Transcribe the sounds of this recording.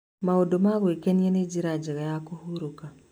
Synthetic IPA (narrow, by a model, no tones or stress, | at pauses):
maodomaɣwekenianed͡ʒiɾad͡ʒeɣajakohuɾoka